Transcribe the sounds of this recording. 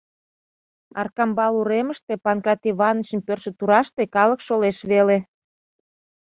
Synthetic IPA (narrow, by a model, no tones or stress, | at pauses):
ɑrkɑmbɑluɾeməʃt̪epɑnkrɑt̪iβɑnət͡ɕə̆mpørʃĕt̪uɾɑʃt̪ekɑlə̆kʃoleʃβele